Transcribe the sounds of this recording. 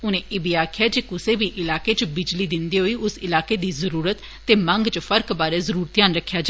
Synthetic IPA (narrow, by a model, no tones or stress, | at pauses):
ʊnẽːʔɪbiaːkʰɪjaːd͡ʒeːkʊseːbiːʔɪlaːkeːt͡ʃbɪd͡ʒliːd̪ɪnd̪iːɦoːiːʊsɪlaːkeːd̪iːzəɾuːɾət̪ːeːmə̃ŋɡt͡ʃpʰəɾkbaːɾeːzəɾuːɾt̪jaːnɾəkʰːjaːd͡ʒ